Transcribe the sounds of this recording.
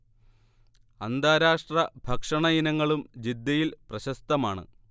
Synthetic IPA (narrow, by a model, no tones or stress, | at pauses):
ɐnd̪aːɾaːʂʈrɐbʱɐkʂɐɳɐjinɐŋːɐɭumd͡ʑid̪ːɐjilprɐɕɐst̪ɐmaːɳɨ̰